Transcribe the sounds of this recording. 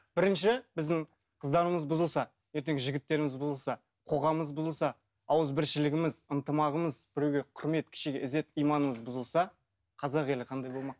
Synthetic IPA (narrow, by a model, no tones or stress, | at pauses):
b̥ɪɾɪnʃɪbɪzd̪ɪɴ | qʰəzd̪ɑɾəməzbʊzəlˠsɑ | je̞ɾt̪e̞ŋʲɪʒɪɡʲɪt̪ːe̞ɾɪmɪzbʊzəlˠsɑ | qʰo̞ʁɑməzbʊzəlˠsɑ | ɑwəzbɪɾʃɪlɪɡʲɪmɪzənt̪əmɑʁəməzbɪɾe̞wɡʲe̞qʰʊɾme̞t̪̚kʲʰɪ̥ʃeɡʲeɪze̞t̪ijmɑnəməzbʊzəlˠsɑ | qʰɑzɑʁe̞lɪqʰɑnd̪ɑjbo̞lˠmɑq